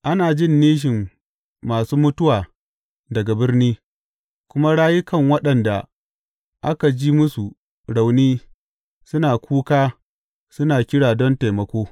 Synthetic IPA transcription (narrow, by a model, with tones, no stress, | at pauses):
ʔa˦naː˨d͡ʒɪ˦˨nːiː˦ʃ̬ɪ˨mː | aː˨suː˦mʊ˦tʊ˦waː˨ | dɐ˨ɡa˨bɪ˦rniː˦ | kʷʊ˦ma˦ɽaː˦jɪ˦kɐ˨ŋwɐ˦ɗɐ˨nda˨ | ʔa˦ka˨d͡ʒiː˦mʊ˦su˨ | ɽa˨wniː˦ | sʊ˦naː˨kʰʷuː˦kaː˦ | sʊ˦naː˨kʲɪ˦ɽaː˨dɔ˦nte˨mɐ˨kʷoː˦